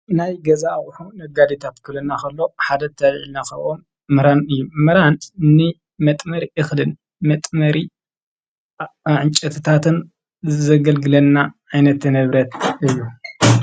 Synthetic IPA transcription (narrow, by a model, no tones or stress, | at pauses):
najɡɐzawħunɐɡad̪it̪ʰat̪kʰɨlɐnːakɐlːo̞ħad̪ɐt̪ʰɐlʕilnakɐʔʔomː | ɨɾanɨjːumɨɾant̪nːɨ | mɐt̪ʼmɐɾiʔɨxlɨn | mɐt̪ʼmɐɾi | ʕɨnt͡ʃʼɐt̪ʰɨt̪ʰat̪ʰɨn | zɐɡɐlɡɨlɐnːaʕajnɐt̪nɨβɾɐt̪ɨjːu